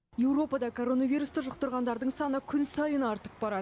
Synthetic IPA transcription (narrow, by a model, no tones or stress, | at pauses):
je̞wɾo̞pɑd̪ɑkʰo̞ɾo̞nɑvʲijɾust̪əʒʊq̚t̪əɾʁɑnd̪ɑɾd̪əɴsɑnəkʲʰʏnsɑjənɑɾt̪əp̚bɑɾɑd̪ə